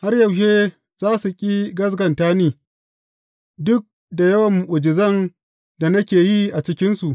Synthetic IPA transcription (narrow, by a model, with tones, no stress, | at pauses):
ha˦rjɐ˨wʃ̬eː˦ | z̥aː˦su˨kʲʼiː˦ɡɐ˦s̬ɡɐ˨ntaː˦niː˨ | dʊ˦k̚ | da˨jɐ˦wɐ˨mːʊ˨ʔʷʊ˨d͡ʒɪ˨zɐ˦n | da˨nɐ˦kʲeː˨ji˦ʔa˨t͡ʃɪ˦kʲɪ˦nsu˨ʔ